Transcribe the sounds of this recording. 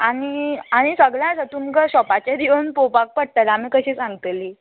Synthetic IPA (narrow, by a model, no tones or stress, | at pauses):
aɽ̃iaɽ̃isəɡɭjãsət̪umkəɕɔpat͡ɕjad̪iʋənpopak̚pəɽ̚t̪alamiːkəɕiːsãŋɡt̪liː